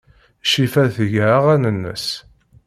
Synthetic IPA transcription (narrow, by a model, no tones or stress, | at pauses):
ʃifæθəʝaʁænənːə̰s